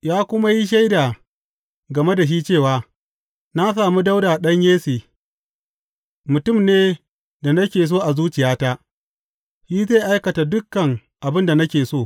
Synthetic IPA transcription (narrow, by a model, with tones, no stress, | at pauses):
jaː˦kʷʊ˦ma˦ji˦ʃ̬a˦jda˨ | ɡɐ˨me˦da˨ʃ̬i˦t͡ʃeː˦˨waː˨ | na˦s̬aː˨mu˦da˦wdaː˨ɗɐ˦ɲjeː˦seː˨ | mʊ˨tʊ˦˨mneː˦ | da˨nɐ˦kʲeː˨s̬oː˦˨ʔa˨zuː˦t͡ʃɪ˨jaː˦taː˦ | ʃiː˦zeː˦˨ʔa˦jkɐ˨ta˨dʊ˦kːɐ˨ŋ | ʔa˨bɪ˦nda˨nɐ˦kʲeː˨soː˦˨